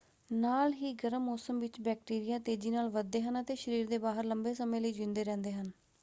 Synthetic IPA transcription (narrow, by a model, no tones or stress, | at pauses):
naːlɦiːɡəɾəmːɔːsəmʋɪt͡ʃbɛːk̚ʈiːɾijaːt̪eːd͡ʒiːnaːlʋəd̪ːeːɦənət̪eːʃəɾiːɾd̪eːbaːɦəɾləmbeːsəmẽːləiːd͡ʒɪ̃nd̪eːɾɛ̃ːnd̪eːɦən